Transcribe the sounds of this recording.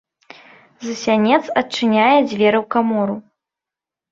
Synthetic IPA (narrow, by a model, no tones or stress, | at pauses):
zɨsʲanʲɛt̪sɐtt͡ʂɨnʲajɛd͡zʲvʲɛɾɐwkamɔɾu